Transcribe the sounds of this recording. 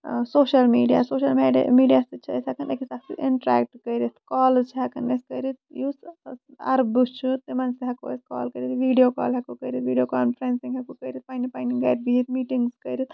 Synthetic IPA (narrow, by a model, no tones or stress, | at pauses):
soːʃɐlmiːɖija̰ːsoːʃɐlmeɖmiːɖijasit͡ʃʰɐsɐkʰɐnekisaksḭʔɪɳʈɾɛ̰ːk̚ʈkɐɾit̪kɔːlzt͡ʃʰiɦɐkʰɐnɐskɐɾit̪̚jusɐ̰ɾbut͡ʃʰut̪imɐnskiɦɐkuɐ̰skɔ̰ːlkɐɾit̪ʋiːɖijoːka̰ːlɦɐkukɐɾit̪ʋiːɖijoːkaːnfʰɐɾensiŋɦɐkukɐɾit̪̚pɐnipɐniŋɡɐːʈ̚biit̪miːʈiŋɡzkɐɾit̪